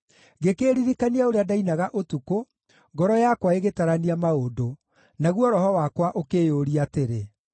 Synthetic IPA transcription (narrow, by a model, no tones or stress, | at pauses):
ɣekeːɾiɾikaniaoɾeadainaɣaʔotuko | ŋɡɔɾɔjakwaeɣetaɾaniamaodo | naɣwɔɾɔhɔwakwaʔokejoɾiateɾe